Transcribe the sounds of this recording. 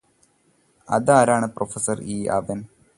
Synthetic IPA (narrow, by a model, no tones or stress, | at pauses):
ɐ̰ðaːɾaːɳɨprofɐsɐriːʔɐ̰ʋɐn